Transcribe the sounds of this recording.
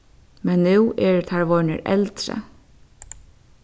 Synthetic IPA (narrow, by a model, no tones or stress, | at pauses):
mɛnːʉːɛɹt̪ʰaɹʋɔnə̰ɾɛ̰lt̪ɾə̰